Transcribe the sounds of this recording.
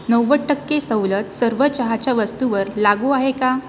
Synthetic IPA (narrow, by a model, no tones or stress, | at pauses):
nəwʋəʈːəkːesəwlət̪səɾʋət͡ɕəɦat͡ɕjaʋəst̪uʋəɾlaɡuaɦeka